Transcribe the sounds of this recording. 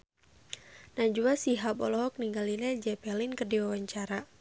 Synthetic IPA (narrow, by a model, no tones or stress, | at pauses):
nad͡ʒuasiɦabɔ̰lɔɦɔk̚niŋɡalilɛd͡ʒɛpɛlinkərdiwawaɲt͡ʃaɾa